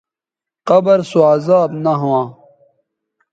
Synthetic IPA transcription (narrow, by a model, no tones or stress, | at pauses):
qɐbɐɾsoaːzaːb̪nɐɦuãː